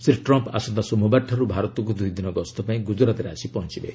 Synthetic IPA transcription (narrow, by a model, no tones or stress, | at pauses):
sɾiʈɾɔmpa̰sɔnt̪asomʱɔbaʈʰːaɾubʱaɾɔt̪ɔŋk̬ud̪ujd̪inɔɡɔst̪ʰɔpaĩɡud͡ʒɔɾat̪ɾeasipɔɦɔnt͡ʃibḛ